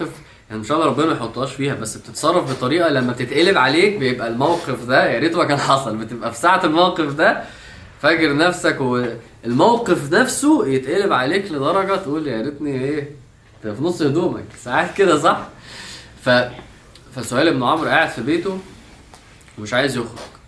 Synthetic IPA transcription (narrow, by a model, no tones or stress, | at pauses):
ef | jaʕnimeʃʔæːlɾˤɑbːenæmjeħot̪ˤːohɑːʃfiːhæbæsːb̥et̪et̪sˤɑrˤːɑfbet̪ˤɑɾiːʔɑlæmːæb̚t̪et̪ʔelebʕaleːk̚bejebʔælmæwqefd̪æjaɾeːt̪omækæːnħɑsˤɑlbet̪ebʔæfi̥saʕt̪elmæwqefd̪æ | fæɡeɾnæfsækwe | elmæwqefnæfsojet̪ʔælebʕaleːkled̪ˤɑɾˤɑɡɑt̪ʔuːljaɾet̪niʔeː | finosˤːhed̪uːmæ̰ksaʕaːt̪̚ked̪æs̬ˤɑħ | fæ | fæsoʔæːlʔenːoʕomɾʔaːʕed̪̥fibeːt̪o | emeʃʕaːjezjoxɾo̰ɡ̥